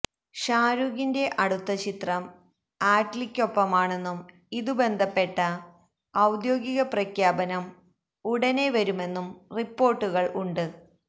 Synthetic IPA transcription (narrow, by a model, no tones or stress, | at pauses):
ɕaːɾuɣinde̞ʔɐɽut̪ːɐt͡ɕit̪rɐm | aːʈlikʲːo̞pːɐmaːɳe̞nːum | iðube̞nd̪ʱɐpːe̞ʈːɐː | wd̪jo̞ːɡiɣɐprɐkʰjaːbɐnɐm | uɽɐne̞ʋɐɾume̞nːumripːo̞ːrʈːuɣɐɭʔuɳɖɨ